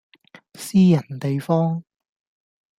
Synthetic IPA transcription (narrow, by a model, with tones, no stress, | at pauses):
siː˥jɐ˨˩nt̪e˨jfɔː˥ŋ